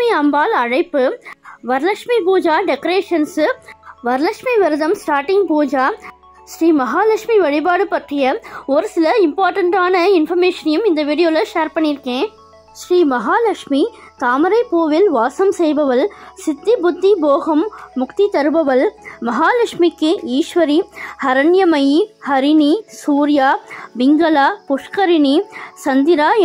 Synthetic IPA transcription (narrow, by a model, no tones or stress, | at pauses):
iɐmbaːlɐɻɐɪpːɯʋɐɾlɐkʂmipuːd͡ʒaːɖɛkɐɾeːʂɐnsʋɐɾlɐkʂmiʋɪɾɯðɐmsʈaːɾʈɪŋɡ̚puːd͡ʒaː | sɾiːmɐɦaːlɐkʂmiʋɐɻɪbaːɽɯpɐʈrɪjɐɔɾɯsɪlɐɪmpaːɾʈɐɳʈaːnɐɪnfɐɾmeːʂɐnjɯmɪnd̪ɐʋiːɽɪjoːlɐʂeːɾpɐɳːɪɾɯkẽː | ʃɾiːmɐɦaːlɐkʂmi | t̪aːmɐɾɐɪpːoːʋɪlʋaːsɐmsɛjbɐʋɐlsɪt̪ːibʊd̪ʱːiboːɣɐmːʊkt̪it̪ɐɾɯbɐʋɐlmɐɦaːlɐkʂmikːɯiːʂʋɐɾihɐɾɐɳjɐmɐjihɐɾɪnisuːɾɪjaːbɪŋɡɐlaːpʊʂkɐɾɪnisɐnd̪ɪɾaː